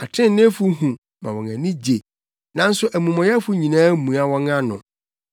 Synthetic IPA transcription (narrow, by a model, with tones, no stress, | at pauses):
a˨tʰɪ̃˦n˦nɪ̃˦fu˦ɦũ˨ | mã̰˨wɔ̃˨ŋæ˨nĩ˦d͡ʑe˨ | nã˦n̩˦sʊ˦ʔæ˨mũ˨mɔ̃˨jɛ˦fu˦ɲĩ˨nãː˦mũ˨a˦wɔ̃˦ŋã˦nʊ̃˨